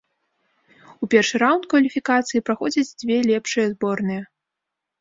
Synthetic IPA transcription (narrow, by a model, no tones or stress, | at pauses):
upʲɛrʂɨɾawnt̪̚kvɐlʲifʲikat̪sɨjipɾaxɔd͡zʲɐd͡zʲd͡zʲvʲɛlʲɛpʂɨjɐzbɔrnɨjɛ